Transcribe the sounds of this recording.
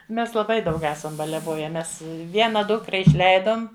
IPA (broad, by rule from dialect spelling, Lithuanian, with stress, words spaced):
ˈmʲɛs lˠɐˈbɐɪ dɐʊk ˈæːsɐm bɐlʲɛˈʋoːjɛ ˈmʲɛs ˈʋʲiɛnɐ ˈdʊkrɐ ɪʃʲˈlʲɛɪdoːm